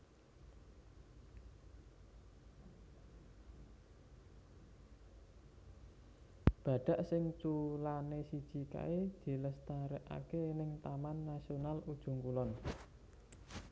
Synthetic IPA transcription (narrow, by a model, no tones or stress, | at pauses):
b̥a̤ɖ̥a̤ʔsɪŋt͡ʃulanesid̥ʒ̥i̤ka̰ed̪̥i̤ləst̪aɾɛʔa̰kenɪŋt̪amanːasionalud̥ʒ̥ṳŋkulɔn